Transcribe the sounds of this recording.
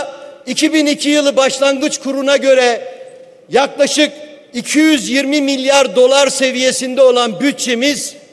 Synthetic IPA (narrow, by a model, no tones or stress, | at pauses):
icʰibinicʰijɯlˠɯbaʃlˠaŋɡɯt͡ʃkʰuɾunaɟø̞ɾɛ | jaklˠaʃɯk | icʰijyzjiɾmimilʲjaɾd̪o̞lˠaɾse̞vije̞sind̪ɛo̞lˠanbyt̪̚t͡ʃemiz̥